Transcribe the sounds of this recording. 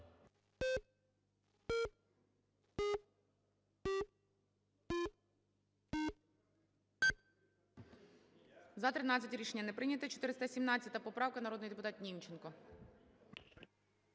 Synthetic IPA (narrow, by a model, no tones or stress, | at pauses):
zɐt̪ɾɪnɑt͡sʲɐtʲɾʲiʃenʲːɐnɛpɾɪnʲɐt̪ɛt͡ʃɔ̥t̪ɪɾɪst̪ɐsʲimnɑt͡sʲɐt̪ɐpɔpɾɑwkɐnɐɾɔd̪nɔjd̪epʊt̪ɑt̪̚nʲimt͡ʃenkɔ